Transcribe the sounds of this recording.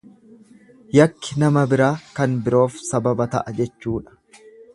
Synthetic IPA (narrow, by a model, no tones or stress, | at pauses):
jɐkːɪnɐmɐbɪɾaːkɐnbɪɾo̞ːfsɐbɐbɐt̪ɐ̰ʔɐd͡ʒɛt͡ʃːuːᶑɐ̥